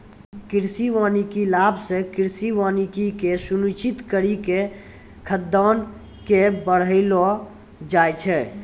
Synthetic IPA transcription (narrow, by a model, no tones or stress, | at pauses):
kɪɾsiwaːnikilaːbʱsekɪɾsiwaːnikikesunut͡ʃit̪kəɾike | kʰəd̪ɔːn | kebəɽ̤əɪlo | d͡ʒajt͡ʃʰɛ